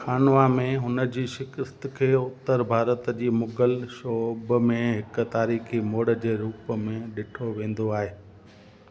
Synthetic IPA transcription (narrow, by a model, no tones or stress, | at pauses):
xaːnʋamẽɦʊnəd͡ʑiːʃɪkəst̪kʰeːʊt̪ːəɾbʱaːɾət̪d͡ʑiːmʊɡəlʃoːbmẽɦɪkt̪aːɾiːximoːɽə̆d͡ʑeːɾuːpmẽɗɪʈʰoʋẽːn̆d̪oaːɦeː